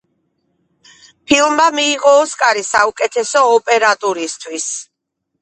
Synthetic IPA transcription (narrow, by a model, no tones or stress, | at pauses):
pʰilˠmamiːʁɔːskʼaɾisaukʼɛt̪ʰɛsɔːpʼɛɾat̪ʼuɾist̪ʰwis